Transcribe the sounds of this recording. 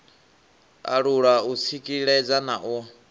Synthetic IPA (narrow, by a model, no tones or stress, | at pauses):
a̰ɺuɺaut͡sʰikʼiɺɛd͡zanaʔu